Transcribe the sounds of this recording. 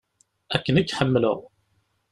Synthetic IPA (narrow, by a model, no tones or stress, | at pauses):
ækːənikːħəmːələ̰ʁ